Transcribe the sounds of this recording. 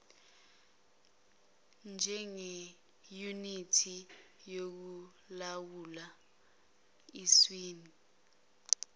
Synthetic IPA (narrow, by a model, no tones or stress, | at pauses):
nd͡ʒʱɛŋɛ | junitʰi | jok̬u | lawula | iswiːni